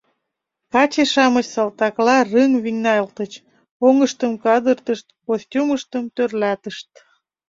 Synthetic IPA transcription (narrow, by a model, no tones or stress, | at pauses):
kɑt͡ɕeʃɑmət͡ɕsɑlt̪ɑklɑrɨŋviŋnɑjəlt̪ət͡ɕ | oŋəʃt̪əmkɑd̪ərt̪əʃt̪̚kosʲtʲuməʃt̪əmt̪ørlɑt̪əʃt̪̚